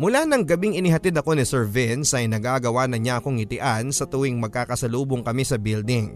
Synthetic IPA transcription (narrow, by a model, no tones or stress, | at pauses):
mʊlanɐŋɡɐbiŋɪnɪɦɐt̪id̪ɐko̞nɪsɛɹvɛnsʔɐjnɐɡaɡɐwanɐɲaʔɐko̞ŋɪt̪ɪʔansɐt̪ʊwɪŋmɐɡ̚kaːkɐsɐluːboŋkɐmisɐbild̪ɪŋ